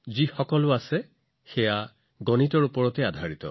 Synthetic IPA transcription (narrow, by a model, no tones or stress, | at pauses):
zixɔkɔlʊasɛ | xɛja | ɡɔnitɔɹupɔɹɔtɛadʱaɹitɔ̰